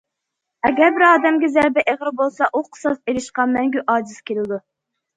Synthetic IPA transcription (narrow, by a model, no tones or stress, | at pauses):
ɛɡʲɛɾbɪɾɑːd̪ɛmɡʲɛzæɾbɛʔeʁɾbolˠsɑʔuqʰə̥sɑseɾɪʃqɑmɛŋɡʲyʔɑːd͡ʒiz̥kʲelɪd̪u